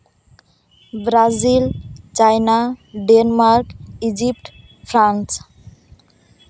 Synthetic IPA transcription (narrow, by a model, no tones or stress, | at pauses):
bɾazilt͡ʃajnaɖenmaɾkid͡ʒip̚ʈ | pʰɾans